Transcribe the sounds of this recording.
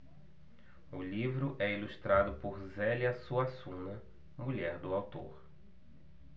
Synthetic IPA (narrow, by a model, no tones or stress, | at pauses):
ʊlivɾʊʔɛiluʃt̪ɾad̪ʊpoɾzɛljɐsuasũnɐ | muʎɛɾd̪ʊawt̪o̰ɾ